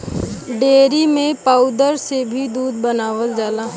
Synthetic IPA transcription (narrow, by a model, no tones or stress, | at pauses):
ɖeːɾimẽpaːʊd̪əɾsebʱid̪uːd̪̚bənaːʋəld͡ʒaːla